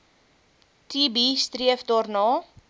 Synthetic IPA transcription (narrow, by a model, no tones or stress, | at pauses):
tibistriəvdɑːrnɑː